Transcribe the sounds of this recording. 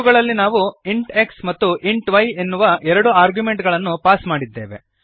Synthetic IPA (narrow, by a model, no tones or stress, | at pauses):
uɡɐɭɐlːinaːʋuiɳʈe̞ksmɐt̪ːuʔiɳʈʋɐje̞nːuʋɐʔɛɾɐɽuaːɾɡjume̞ɳʈɡɐɭɐnːupaːsmaːɽid̪ːe̞̰ːʋe̞̰